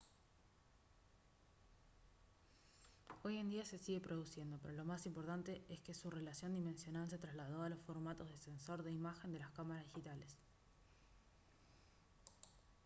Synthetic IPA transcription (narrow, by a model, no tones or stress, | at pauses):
o̞je̞nd̪iase̞siɣe̞pɾo̞ð̞usje̞nd̪o̞peɾo̞lo̞masimpo̞ɾt̪ant̪eʔeske̞sure̞lasjo̞nd̪imẽ̞nsjo̞nals̬e̞t̪ɾazlaðo̞alo̞sfo̞ɾmat̪o̞zðe̞se̞nso̞ɾðe̞imaxe̞nd̪e̞laskamaɾazðixit̪ale̞s